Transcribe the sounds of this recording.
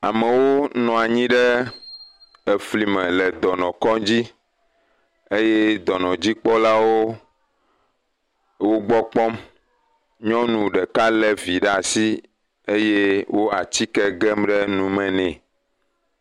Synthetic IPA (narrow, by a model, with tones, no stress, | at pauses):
a̰˨mɛ̃˨wo˦nɔ̃˨a˨ɲĩ˦ɖɛ˦ | ɛ˨fli˨mɛ̃˨lɛ˨d̪ɔ˨nɔ̃˨kɔ˦d͡ʑi˦ | e˦je˦d̪ɔ˨nɔ̃˨d͡ʑi˦k͡pɔ˦la˦wo˦ | wo˦ɡ͡bɔ˦k͡pɔ˦m | ɲɔ̃˦nũ˨ɖɛ˨ka˦lɛ˨vi˨ɖɛ˦a˨si˦ | e˦je˦wo˦a˨t͡ɕi˦kɛ˦ɡɛ˦mɖɛ˦nũ˨mɛ̃˨nɛ̃˨